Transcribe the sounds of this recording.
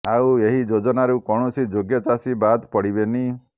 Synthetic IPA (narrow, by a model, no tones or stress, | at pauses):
aueɦid͡ʒod͡ʒɔnaɾukɔɽ̃ɔsid͡ʒoɡjɔt͡ʃasibad̪pɔɽibeni